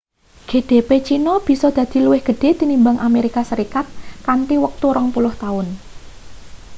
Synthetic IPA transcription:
ɡ̥e̤d̪̥e̤pet͡ʃinɔb̥i̤sɔd̪̥ä̤d̪̥i̤luwɪhɡ̥ə̤ɖ̥e̤t̪inimbaŋʔameɾikasəɾikat̪̚kant̪iwək̚t̪uɾɔŋpulʊht̪aʊn

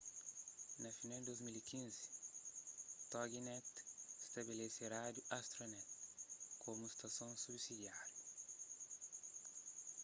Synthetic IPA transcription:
nɐfineld̪ozmilikinz | t̪ɔɡinɛt̪st̪ɐbilesiɾaːd̪juʔast̪ɾonɛt̪kʰomust̪ɐsonsubsid̪iaːɾju

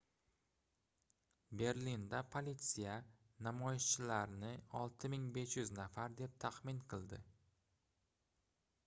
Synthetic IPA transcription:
be̞ɾlind̪apʰolʲit̪sija | namɒjɪʃt͡ʃʰɪlaɾnɪɒlˠt̪ʰɪmɪŋbe̞ʃjʊznafaɾd̪e̞p̚t̪ʰaqmɪnqʰɨlˠd̪ɪ

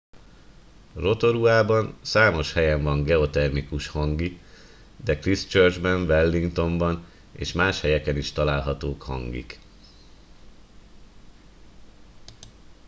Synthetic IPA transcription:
ro̞t̪o̞ɾuaːbɒnsaːmo̞ʃhɛjɛɱvɒŋɡɛo̞t̪ɛrmikuʃhɒŋɡi | d̪ɛkrist͡ʃørd͡ʒbɛɱvɛlːiŋkt̪o̞mbɒn | ḛːʃmaːʃhɛjɛkɛniʃt̪ɒlaːlɦɒt̪oːkhɒ̰ŋɡḭk

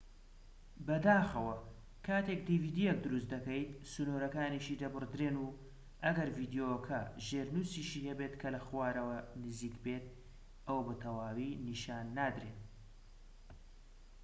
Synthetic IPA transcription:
bɐd̪aːxɐwɐ | kʰaːt̪ekd̪iviːd̪ijek̚d̪ɨɾust̪d̪ɐkɐjt̪sunoɾɐkaːniʃiːd̪ɐbɨrd̪ɾeːnu | ʔɐɡɐɾviːd̪jokʰɐʒeːɾnusiːʃiːhɐbet̪kʰɐlɐxwaːɾɐwɐnɨziːkbeːt̪̚ | ʔɐwɐbɨt̪ʰɐwaːwiːniʃaːnːaːd̪ɾeːn

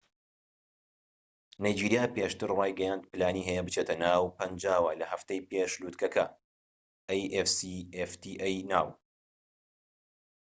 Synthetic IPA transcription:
naːjd͡ʒiːɾijaːpeːʃt̪ɨɾrɑːjɡɐjaːnd̪̚pɨlaːniːɦɛjɛbɨt͡ʃet̪ɐnaːwpɐnd͡ʒaːwɐlɐhɐft̪ɐjpeːʃluːt̪kʰɐkʰɐ | ɐjʔefsieft̪ʰiʔejnaːw

